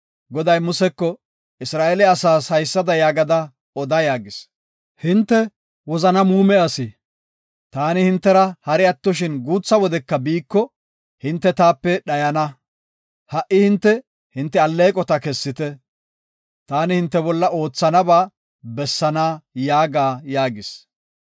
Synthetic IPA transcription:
ɡɔd̪ɐjmʊsɛkːɔ | ɪsɾaːʔelɛɐsaːshɐjsːɐd̪ɐjaːɡɐd̪ɐ | ɔd̪ɐjaːɡɪs | hɪnt̪ːɛ | wɔzɐnɐmuːmɛɐsiː | t̪aːnɪhɪnt̪ːɛɾɐhɐɾɪɐt̪ːɔʃ̬ɪnɡuːt͡sːɐwɔd̪ɛkːɐbiːkːɔ | hɪnt̪ːɛt̪aːpːɛɗɐjɐnɐ | hɐʔɪhɪnt̪ːɛ | hɪnt̪ːɛɐlːeːkʼɔt̪ɐkɛsːɪt̪ɛ | t̪aːnɪhɪnt̪ːɛbɔlːɐʔo̞ːt͡sːɐnɐbaː | bɛsːɐnaːjaːɡaːjaːɡɪs

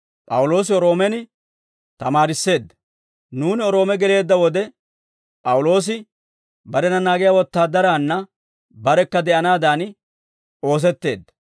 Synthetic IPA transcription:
pʼɐwʊlo̞ːs̬ɪɔɾo̞ːmɛnɪ | t̪ɐmaːɾɪsːe̞ːd̪ːɐ | nuːnɪɔɾo̞ːmɛɡɛle̞ːd̪ːɐwɔd̪ɛ | pʼɐwʊlo̞ːs̬ɪ | bɐɾɛnɐnaːɡɪjaːwɔt̪ːaːd̪ɐɾaːnːɐ | bɐɾɛkːɐd̪ɛʔɐnaːd̪aːn | o̞ːs̬ɛt̪ːe̞̰ːd̪ːɐ̥

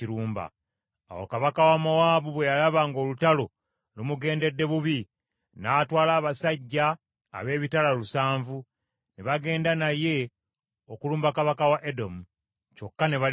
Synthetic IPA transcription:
iɾuːmba̰ː | wo̰kaβakawamowaːβuβwe̞jalaβaŋɡo̞ːlutalo̞ | lumuɡe̞ːnde̞dːe̞βuβi | naːtwaːlaːβasaɟːa̰ː | βe̞ːβitalalusaːɱvu | neβaɡe̞ːndanaje̞ | okuluːmbakaβakawaʔedo̞mu | co̞kːane̞βa

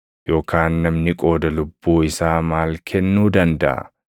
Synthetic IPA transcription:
jo̞ːkʰaːnːɐmnɪkʼo̞ːd̪ɐlʊbːuːɪsaːmaːlkʰɛnːuːd̪ɐnd̪ɐ̰ʔɐ̰

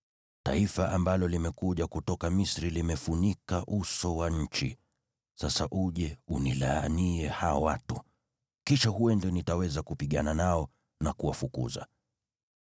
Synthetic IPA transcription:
taifaʔambalɔlimɛkuʄakutɔkamisɾilimɛfunikaʔusɔwaɲ̩t͡ʃḭ | sasaʔuʄɛunilaːniɛhaɔwatu | kiʃaɦuwɛndɛnitawɛzakupiɠananaɔ | nakuwafukṵza̰

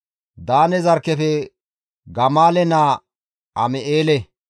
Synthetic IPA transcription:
d̪aːnɛzɐɾkːɛfɛ | ɡɐmaːlɛnaː | ʔɐmɛʔeːlɛ

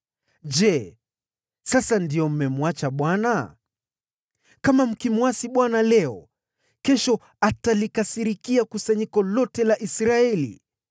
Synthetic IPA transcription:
ʄɛ | sasandiɔm̩mɛmuwat͡ʃaɓwana | kamam̩kimwasiɓwanalɛɔ | kɛʃɔ | atalikasiɾikiakusaɲikɔlɔtɛlaʔisɾaɛlḭ

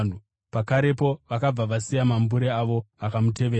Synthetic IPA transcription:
n̤u | pakaɾe̞po̞ʋakab͡vaʋasijamambuɾeaʋo̞akamute̞ʋeː

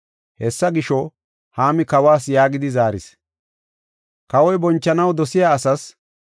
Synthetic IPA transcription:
hɛsːɐɡɪʃɔ | haːmɪkɐwaːs̬jaːɡɪd̪ɪzaːɾɪ̰s | kɐwɔjbɔnt͡ʃːɐnɐwd̪ɔsɪjaːsɐs

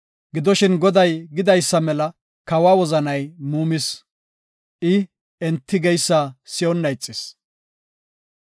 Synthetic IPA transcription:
ɡɪd̪ɔʃɪnɡɔd̪ɐjɡɪd̪ɐjsːɐmɛlɐ | kɐwaːwɔzɐnɐjmuːmɪs | ʔɪ | ɛnt̪ːɪɡɛjsːasɪjɔnːɐjt͡sʼːɪs

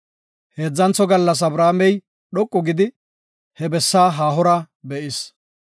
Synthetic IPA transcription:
he̞ːd͡zːɐnt͡sːɔɡɐlːɐs̬ɐbɾaːmɛj | ɗɔkʼːɔɡɪd̪ɪ | hɛbɛsːaːɦaːɦɔɾɐ | bɛʔɪs

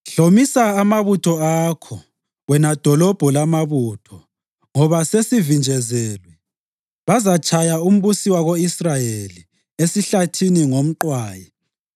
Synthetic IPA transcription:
ɬomisaːmaβutʰɔakʰɔ | wɛnad̥ʱɔlɔb̥ʱɔlamaβutʰɔ | ŋɔβasesivind͡ʒʱɛzɛːlwɛ | βazat͡ʃʰʼajaum̩βusiwaɣoisrajeli | esiɬatʰiniŋom̩ǃwaːjɛ

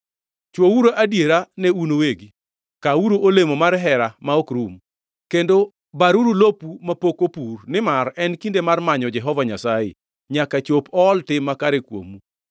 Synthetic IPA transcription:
t͡ʃwowuɾoʔadjeɾanɛunoweɡi | kauɾoʔolemomaɾɦɛɾamaokɾum | kendo | baɾuɾulopumapokopurnɪmarɛnkindemarmaɲɔd͡ʒɛɦɔvaɲasajɪ̰ | ɲakat͡ʃopɔːltɪmːakaɾekwo̰mu

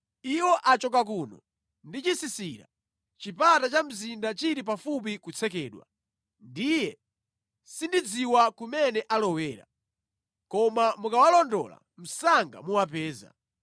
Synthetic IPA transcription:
iwɔʔat͡ʃɔk̬akuːnɔ | ndit͡ʃisisiɾa̰ | t͡ʃipatat͡ʃam̩zindat͡ʃiɾip̬afup̬ikut͡sʰɛkɛːɗwa̰ | ndijɛ | sindid͡ziwakumɛnɛʔalɔwɛːɾa̰ | kɔmamukawalɔndɔ̰la̰ | m̩saŋɡa̰muwapɛːza̰

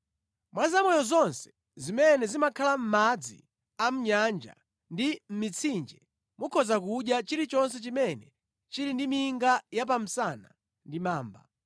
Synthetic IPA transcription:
mwazamɔjɔzɔnsɛ̥ | zimɛnɛzimakʰalam̩mad͡zḭ | am̩ɲand͡ʒa̰ | ndim̩mit͡sʰind͡ʒɛ | mukʰɔzakuɗjat͡ʃiɾit͡ʃɔns̬ɛt͡ʃimɛnɛ | t͡ʃiɾindimiŋɡajap̬am̩sana | ndimaːmba̰

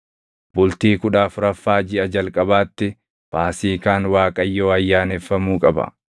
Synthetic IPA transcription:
bʊlt̪iːkʊᶑaːfʊɾɐfːaːd͡ʒɪɐd͡ʒɐlkʼɐbaːt̪ːɪ | paːsiːkaːnwaːkʼɐjːo̞ːɐjːaːnɛfːɐmuːkʼɐbɐ̰

